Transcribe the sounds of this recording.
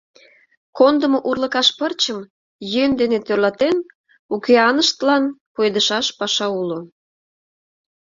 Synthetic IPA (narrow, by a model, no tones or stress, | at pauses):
kond̪əmoʔurləkɑʃpərt͡ɕəm | jønd̪enet̪ørlɑt̪en | ukeɑnəʃt̪əlɑnpojd̪əʃɑʃpɑʃɑulo